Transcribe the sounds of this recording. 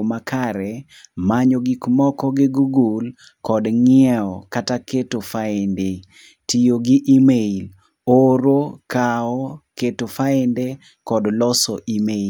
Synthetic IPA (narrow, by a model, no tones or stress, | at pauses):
makʰaɾɛ | maɲoɡikmɔkɔɡɪɡuɡul | kɔdŋɪɛɔkataketofaɛnde | tijoɡɪʔimeil | oɾokaɔketofaɛnde | kɔdlɔsɔʔime